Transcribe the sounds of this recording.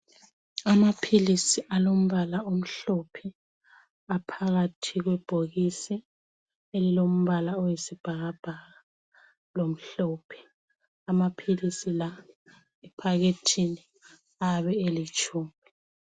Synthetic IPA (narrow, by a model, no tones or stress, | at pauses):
amapʰilisiʔalom̩βalaom̩ɬopʰɛ | apʰaɣatʰiɣwɛb̥ʱoɣisi | elilom̩βalaɔjisib̥ʱaɣab̥ʱaɣa | lom̩ɬɔːpʰɛ̥ | amapʰilisila | ɛpʰaɣetʰini | aβɛelit͡ʃʼuːmi